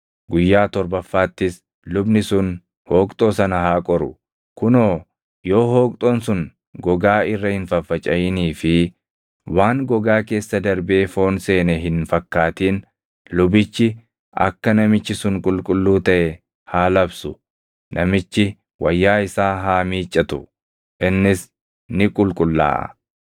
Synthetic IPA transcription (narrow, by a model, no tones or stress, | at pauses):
ɡʊjːaːt̪ɔɾbɐfːaːt̪ːɪs | lʊbnɪsʊn | ho̞ːkʼt̪ʼo̞ːsɐnɐɦaːkʼɔɾʊ̰ | kʊnoː | jo̞ːɦoːkʼt̪ʼonsʊn | ɡɔɡaːɪrːɐhɪnfɐfːɐt͡ʃʼɐjɪniːfɪ | waːŋɡɔɡaːke̞ːsːɐd̪ɐɾbe̞ːfo̞ːnse̞ːnɛɦɪnfɐkːaːt̪iːn | lʊbɪt͡ʃːɪ | ɐ̰kːɐnɐmɪt͡ʃːɪsʊŋkʼʊlkʼʊlːuːt̪ɐʔɛ | haːlɐbsʊ | nʔɐmɪt͡ʃːɪ | wʔɐjːaːɪsaːɦaːmiːt͡ʃʼːɐt̪ʊ | ʔɪnːɪs | nɪkʼʊlkʼʊlːa̰ːʔɐ̰